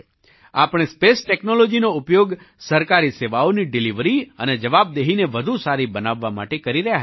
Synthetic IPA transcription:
a̰pɽ̃espesʈɛknolod͡ʒinoʊpjoɡ | səɾkaɾiseʋaoniɖɪliʋɾiə̰ned͡ʒəʋab̚d̪eɦineʋəd̪ʱusaɾibənaʋːama̰ʈekəɾiɾəɦjaɦ

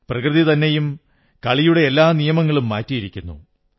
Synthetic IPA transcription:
prɐkrɨðit̪ɐnːe̞jum | kɐɭijuɽe̞ːlːaːnijɐmɐŋːɐɭumːaːtːijiɾikʲːunːṵ

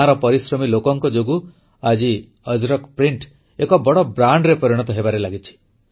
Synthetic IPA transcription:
ãɾɔpɔɾisɾɔmilokɔŋkɔd͡ʒoɡu | ad͡ʒi | ʌd͡ʒɾɔkpɾiɳʈ | ekɔbɔɽɔbɾaɳɖɾepɔɾiɽ̃ɔt̪ɔɦebaɾelaɡit͡ʃʰi̥

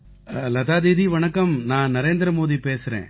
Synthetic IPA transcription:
lɐt̪aːd̪iːd̪iʋɐɳɐkːɐmnãːnɐɾeːnd̪ɾɐmoːðipeːsɪɾḛ̃ː

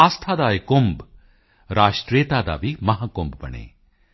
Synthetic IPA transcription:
aːst̪ʰaːd̪aːekomb | ɾaːʃʈɾeːt̪aːd̪a̰ːʋimɐɦaːkombbɐ̰ɳḛː

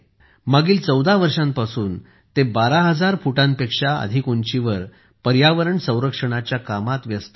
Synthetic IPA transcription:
maɡiːlt͡səwd̪ʱaʋəɾʂãmpasuːn | t̪ebaɾaɦəd͡zaɾfuʈãmpekʂaə̰d̪ʱikoɲt͡ɕiʋəɾ | pəɾjaʋəɾəɳsə̃w̃ɾəkʂəɽ̃at͡ɕjakamat̪ʋjəst̪

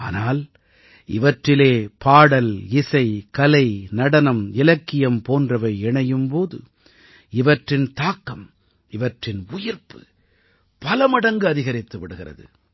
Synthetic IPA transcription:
a̰ːnaːl | ɪ̰ʋɐʈrɪleːpaːɽɐlɪsɐɪkɐlɐɪnɐɽɐnɐmɪlɐkːɪjɐmpoːndrɐʋɐɪɛɳɐjɯmpoːðɯ̰ | ɪʋɐʈrɪnt̪aːkːɐm | ɪʋɐʈrɪnʊjɪɾpɯ̥ | pɐlɐmɐɽɐŋɡɯɐðɪɣɐɾɪt̪ːɯʋɪɽɯɣɪrɐ̰ðɯ̰

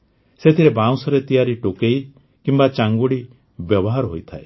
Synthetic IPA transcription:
set̪ʰiɾebãw̃sɔɾet̪ijaɾiʈokej | kimbat͡ʃaŋɡuɽi | bjɔbɔɦaɾɔɦojt̪ʰae

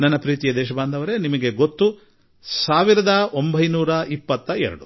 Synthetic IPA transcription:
nɐnːɐpɾiːt̪ijɐd̪ɛːʃ̬ɐbaːnd̪ʱɐʋɐɾe̞nimɐɡe̞ɡot̪ːu | saːʋiɾɐd̪ɐombʱɐjnuːɾɐʔipːɐt̪ːɐɛ̰ɾɐ̰ɽu

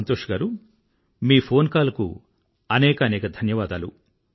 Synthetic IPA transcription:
ɐnt̪oːʂɡaːɾu | miːpʰo̞ːnkaːlɐkṵ | ɐnɛːkɐnɛːkɐd̪ʱɐnjɐʋaːd̪aːlṵ

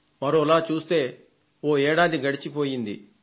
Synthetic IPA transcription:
mɐɾo̞ːilaːt͡ʃuːst̪e̞ː | oːɛːɽaːd̪iɡɐɽit͡ʃipo̞ːjind̪i

